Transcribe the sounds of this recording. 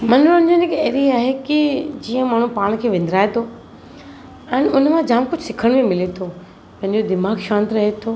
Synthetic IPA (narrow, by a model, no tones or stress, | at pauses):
mɐ̃nʊñd͡ʑonɪkɐɾiaːɦekid͡ʑiːə̃maːɳ̤ũpaːɽ̃kʰeːʋɪ̃nd̪ɾaːet̪ʰoː | ɛ̃ːnʊnmãd͡ʑaːmkʊd͡ʑʱsɪkʰəɽ̃mẽmɪlet̪ʰo | pɐ̃ɦɪ̃ɲ̆d͡ʑod̪ɪmaːɡʃãːnt̪ɾɐɦet̪ʰoː